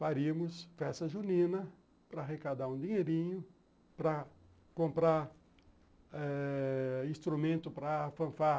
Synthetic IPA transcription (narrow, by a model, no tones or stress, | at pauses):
faɾiɐmʊsfɛst̪ɐʒunĩnɐ | pɾɐaɦekad̪aɾũd̪iɲeɾĩɲʊ | pɾɐ | kõmpɾaɾ | ɛ | ĩst̪ɾumẽnt̪ʊpɾɐfɐ̃fa